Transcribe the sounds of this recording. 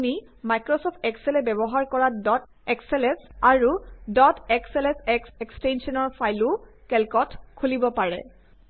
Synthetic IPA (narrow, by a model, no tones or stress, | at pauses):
ni | majkɹɔsɔpʰtɛksɛlɛbɛbɔɦaɹkɔɹadɔt | ɛkselɛsaɹudɔtekselɛsɛksɛkstensɔnɔɹpʰajlʊ | kɛlkɔtkʰulibɔpaɹɛ̰